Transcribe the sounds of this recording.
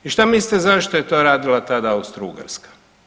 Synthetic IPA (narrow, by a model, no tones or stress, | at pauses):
iʃt̪amist̪ezaʃt̪ojet̪oɾaːd̪ilat̪ad̪aust̪ɾṵɡa̰ɾskḁ